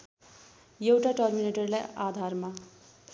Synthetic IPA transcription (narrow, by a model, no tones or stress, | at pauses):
jewʈaʈʌrmineʈʌrlajad̪ʱarma